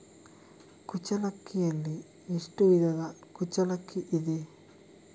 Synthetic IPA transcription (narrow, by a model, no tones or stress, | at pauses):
kut͡ʃɐlɐkːijɐlːi | iʂʈuʋid̪ɐdɐkut͡ʃɐlɐkʰːiʔid̪i